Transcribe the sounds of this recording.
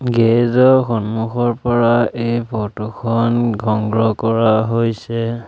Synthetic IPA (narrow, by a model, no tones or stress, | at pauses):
ɡezɔxɔnmuxɔɹpɔɹaejpʰɔtukʰɔnɡʱɔŋɡɹɔkɔɹaɦojsɛ